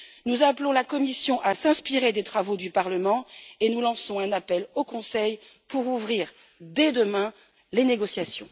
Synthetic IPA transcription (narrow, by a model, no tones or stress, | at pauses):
nuzaplɔ̃lakɔmisjɔ̃ʔasɛ̃spiʁed̪et̪χavod̪ypaʁləmɑ̃enulɑ̃sɔ̃ɛ̃napɛlokɔ̃sɛj | puʁuvʁiʁ | d̪ɛd̪əmɛ̃ | leneɡɔsjasjɔ̰̃